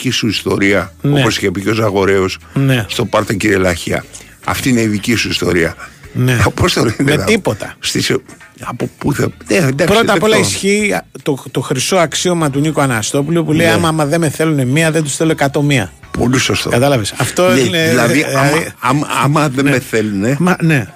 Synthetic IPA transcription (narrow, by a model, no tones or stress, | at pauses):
isuist̪o̞ɾiɐnoeosi̥çepiceosɐɣo̞ɾeosnest̪o̞pɐɾt̪ociɾielɐçiɐ̰ | ɐ̰ft̪iine̞iðicisuist̪o̞̰ɾiɐ̰nepost̪olinmeɐt̪ipot̪ɐst̪iseɐpopuθeneend̪ɐkpɾsot̪ɐpolɐisçiːt̪ot̪o̞xɾiso̞ɐksio̞mɐt̪̬unikoɐnɐst̪o̞pulopulejɐmɐmɐðe̞meθe̞lunemiɐðend̪usθeloekɐt̪o̞miɐ̰ | po̞̰lisost̪okɐt̪ɐlɐvesɐft̪o̞ineilɐðiðɐmðɐmɐɐmɐðenmeθelunemɐne̞